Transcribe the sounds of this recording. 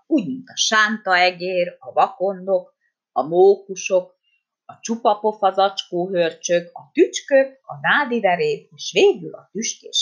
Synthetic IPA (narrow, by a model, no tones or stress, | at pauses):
uːɟmint̪ɒʃaːnt̪ɒɛɡeːɾɒvɒko̞nːok | ɒmoːkuʃok | ɒt͡ʃupɒpo̞fɒzɒt͡ʃkoːɦørt͡ʃøkɒt̪yt͡ʃkøkɒnaːd̪ivɛɾeːd̪eːʃʋeːɡylɒ̰t̪yʃkḛːʃ